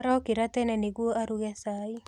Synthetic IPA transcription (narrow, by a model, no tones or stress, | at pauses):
ɾɔkɪɾat̪ɛnɛnɪɡwoʔaɾuɣɛsai